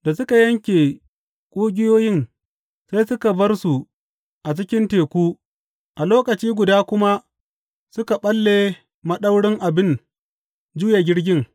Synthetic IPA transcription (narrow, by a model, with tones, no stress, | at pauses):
da˨sʊ˦ka˨jɐ˦ŋkʲeː˨ | kʷʼuː˦ɡʲɪ˦joː˦jɪ˦ŋ | sa˦jsʊ˦ka˨bɐ˦rsu˨ | ʔa˨t͡ʃɪ˦kʲɪ˦nteː˨kʷuː˦ | ʔa˨loː˦kɐ˨t͡ʃiː˦ɡʷʊ˨daː˦kʷʊ˦ma˦ | sʊ˦ka˨ɓɐ˦lːeː˨ | mɐ˦ɗɐ˦wɽɪ˦ŋʔa˨bɪ˦n | d͡ʒʊ˦ja˨ɡʲɪ˦ɽɡʲɪ˦ŋ